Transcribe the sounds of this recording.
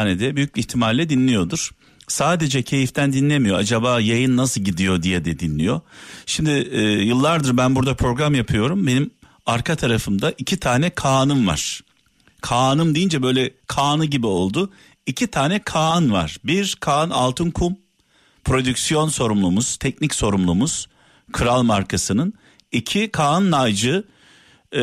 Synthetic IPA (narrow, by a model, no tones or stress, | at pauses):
anɛd̪ɛbyjyc̚biːçt̪ʰimalːʲɛd̪inlʲijo̞d̪uɾ̥ | saːd̪e̞d͡ʒɛcʰe̞jift̪ʰænd̪inlʲemijo̞ad͡ʒabaːjajɯnːasɯlˠɟid̪ijo̞d̪ijɛd̪ɛd̪inlʲijo̞ʃimd̪ɪːjɯlˠːaɾd̪ɯɾbænbuɾd̪apʰɾo̞ɡɾamjapʰɯjo̞ɾumbe̞nim | aɾkʰat̪ʰaɾafɯmd̪aʔicʰit̪ʰaːnɛkʰaːnɯmva̰ɾ̥ | kʰaːnɯmd̪eijind͡ʒɛbø̞jlʲɛkʰaːnɯɟibio̞lˠd̪ʊ | icʰit̪ʰaːnɛkʰaːnva̰ɾ̥biɾkʰaːna̰lˠt̪ʰɯnkʰum | pʰɾo̞d̪ycsijo̞nso̞ɾumlˠumuz̥t̪ʰɛcnicso̞ɾumlˠumuz̥ | kʰɯɾalˠmaɾkʰasɯnɯn | icʰikʰaːnːajd͡ʒɯ